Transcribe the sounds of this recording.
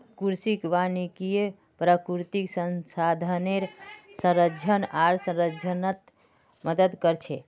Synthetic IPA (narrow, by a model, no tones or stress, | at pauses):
kuɾsikʋanikije | pɾəkuɾt̪iksənsad̪ʱəneɾsə̃ɾəd͡ʒʱənaɾsə̃ɾəd͡ʒʱənət̪ | məd̪əd̪kəɾt͡ʃʰe